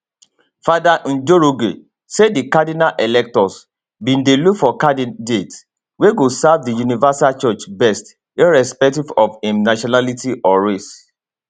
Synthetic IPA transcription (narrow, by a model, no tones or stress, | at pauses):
fadañ̩d͡ʒoɾoɡḛ | sedikadinalʔɛlɛk̚tɔs | bĩndelukfɔkadidet | weɡosavdijunivasalt͡ʃɔt͡ʃbɛst | iɹɛspɛk̚tivɔfẽmnaʃɔnalitiʔɔɹes